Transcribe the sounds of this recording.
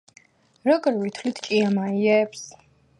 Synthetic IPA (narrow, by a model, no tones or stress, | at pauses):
ɾɔɡɾvit̪ʰlit̪ʰkʼiamaiɛps